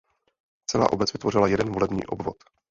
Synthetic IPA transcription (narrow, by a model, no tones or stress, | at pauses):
t͡sɛla̰ːʔo̞bɛt͡svɪt̪vo̞r̝ɪlajɛdɛnvolɛbɲḭːʔobvo̞t̪